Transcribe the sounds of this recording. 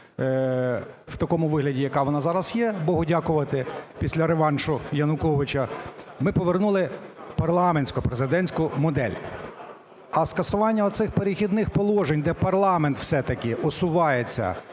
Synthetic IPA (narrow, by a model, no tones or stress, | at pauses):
wt̪ɐkɔmʊʋɪɦlʲɐdʲijɐkɑʋɔnɑzɑɾɐzjɛbɔɦʊdʲɑkʊʋɐt̪ɪpʲisʲlʲɐɾeʋɑnʃʊjɐnʊkɔʋɪt͡ʃɐmɪpɔʋernulˠɪpɐrlˠɑmenʲsʲkɔpɾezɪd̪ɛnʲsʲkʊmɔd̪ɛ̰lʲ | ɐskɐsʊʋɑnʲːɐɔsɪxpeɾʲɪxʲid̪nɪxpɔlˠɔʒenʲd̪ɛpɐrlˠɑment̪w̥sɛt̪ɐkɪʔɔsʊʋɑjet͡sʲːɐ̰